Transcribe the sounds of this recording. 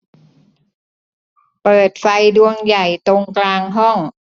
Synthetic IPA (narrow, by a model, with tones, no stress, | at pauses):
pɤː˨˩t̪̚fa˧jdu˧əŋja˨˩jt̪o˧ŋklaː˧ŋɦɔ˥˩ŋ